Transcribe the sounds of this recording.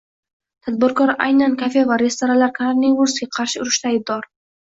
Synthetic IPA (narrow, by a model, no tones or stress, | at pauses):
t̪ʰad̪̚bɪɾkɒɾa̰jnankʲʰafevaɾe̞st̪oɾalaɾkʰaɾaɾnevuɾsɡʲaqʰɑɾʃɪʊɾɪʃt̪aːjb̚d̪ɒɾ